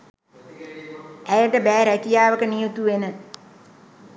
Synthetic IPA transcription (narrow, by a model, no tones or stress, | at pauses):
æjəʈəbæːɾækijaːʋəkənijut̪uʋenə